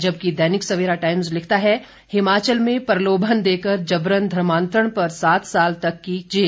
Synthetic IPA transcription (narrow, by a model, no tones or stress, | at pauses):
d͡ʒɐb̚kid̪ɛːnɪksɐʋeːɾaʈaːɪmzlɪkʰt̪aɦɛ | hɪmaːt͡ʃəlmẽpɐɾloːbʱənd̪eːkəɾd͡ʒɐbɾənd̪ʱɾɐmãːnt̪ɾəɽ̃pɐɾsaːt̪ʰsaːlt̪ɐkːid͡ʒeː